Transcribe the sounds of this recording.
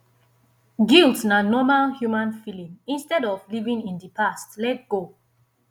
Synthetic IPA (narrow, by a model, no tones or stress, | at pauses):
ɡiltsnanɔmalhjumãnfilĩmĩnstɛdɔvlivĩŋĩndipastlɛt̚ɡ̥o